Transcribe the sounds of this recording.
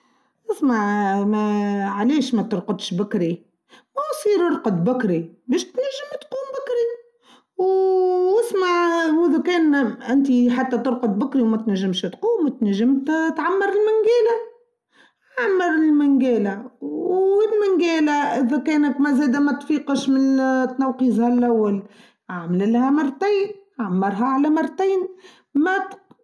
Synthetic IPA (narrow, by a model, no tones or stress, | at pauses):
ʔɪsmaʕmæʕaliːʃmæt̪ʊɾˤqɑd̪ˤʃbækɾi | wæwsˤiːɾɾqɑd̪̚ˤbækɾibɛːʃt̪næʒːɪmt̪quːmbækɾi | w | ɪsmaʕwɪðukɛːnʔɪnt̪̬iħat̪ːæt̪ʊɾqɑd̪̚ˤbʊkɾiwmæt̪næʒːɪmʃt̪quːmt̪næʒːɪmt̪t̪ʕamːɑɾˤɪlmɪŋɡæːlæ | aaʕmːɑɾˤɪlmɪŋɡɛːlæwɪlmɪŋɡɛːlæʔɪðækɛːnəkmæzæːd̪æmæt̪fiːqəʃmɪnt̪nɑwqiːzhælʔawːal | ʔaʕmlɪlhæmɑrˤːt̪iːnʕamːɑɾˤɦæʕalæmɑrˤːt̪iːn | mæt̪